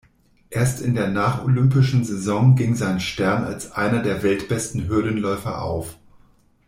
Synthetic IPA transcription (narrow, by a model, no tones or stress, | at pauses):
ʔeːɐstɪndeːɐnaːχo̰lʏmpɪʃn̩zezɔŋɡɪŋzaɪnʃtɛɐna̰lsʔa̰ɪnɐdeːɐvɛltb̥ɛstn̩ɦʏɐdənlɔʏfɐ̰ʔa̰ʊf